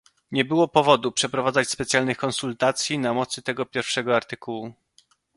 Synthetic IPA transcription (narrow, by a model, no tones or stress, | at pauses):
ɲɛbɘwɔpɔvɔd̪upʂɛpɾɔvad̪zat͡ɕspɛt̪sʲjalnɘxkɔnsult̪at̪sʲjinamɔt̪sɘt̪ɛɡɔpʲjɛɾfʂɛɡɔaɾt̪ɘkuwu